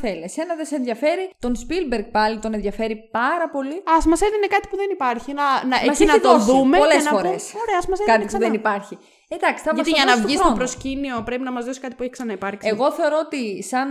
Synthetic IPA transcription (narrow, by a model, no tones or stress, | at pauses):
θeliɐsenɐðese̞nðʝɐfe̞ɾit̪o̞nspilbeɾk̚pɐlit̪o̞nenðʝɐfe̞ɾipɐɾɐpo̞liɐsmɐseðiinekɐt̪i̥puðenipɐɾçinɐnɐemɐsnɐt̪oðumeolesfo̞ɾesoɾeɐsmɐsekɐt̪ipuðenipɐɾçi | ed̪ɐksi̥t̪ɐpɐosiʝɐnɐsvoisxɾoopɾoscinio̞pɾe̞pinɐmɐzðo̞si̥kɐt̪ipueçi̥ksɐnɐipɐɾkseiɣo̞θe̞o̞ɾo̞ot̪isɐn